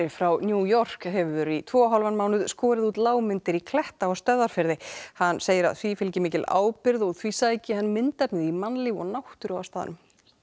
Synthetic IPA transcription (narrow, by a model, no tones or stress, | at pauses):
ɪfɾawnjuːjɔr̥kɦɛvʏvɛːɾʏit̪ʰvɔːɦɔlvanmaːwnʏðskɔːɾɪðuːt̪laːwmɪnt̪ɪɾikʰlɛht̪aɔɣst̪œðaɾ̥fɪɾðɪhanːseːjɪɾa̰ðθvifɪlcɪmɪːcɪla̰ːwpɪɾðɔɣθvisaːjcɪhanːmɪnt̪ɛpnɪðimanlɪːvɔ̰ɣnawht̪ʏɾawast̪aːðɪ̰nʏm